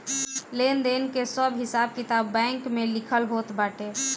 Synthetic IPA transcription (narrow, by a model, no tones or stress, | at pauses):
lend̪enkesəbɦɪsab̚kit̪abːɛ̃ŋkmelikʰəlɦot̪baːʈe